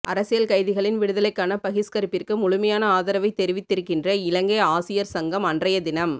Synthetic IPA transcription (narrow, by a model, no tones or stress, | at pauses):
ʔɐɾɐsɪjɐlkɐɪðɪɣɐɭɪnʋɪɽɯðɐlɐɪkːaːnɐpɐɣɪskɐɾɯpːɪrkɯmʊɻʊmɐjaːnɐaːðɐɾɐʋɐɪt̪ːɛɾɪʋɪt̪ːɪɾɯkːɪndrɐɪlɐŋɡɐɪaːsɪjɐɾsɐŋɡɐmɐndrɐjɐd̪ɪnɐm